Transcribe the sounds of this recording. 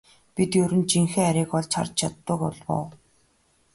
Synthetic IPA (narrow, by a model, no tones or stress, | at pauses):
pit̪jɵɾɘ̆nt͡ɕiŋxeːæɾiːkɔɮt͡ɕʰa̰rt͡ɕt͡ɕʰat̪ːə̆kɔ̰ɮwʊ̰ː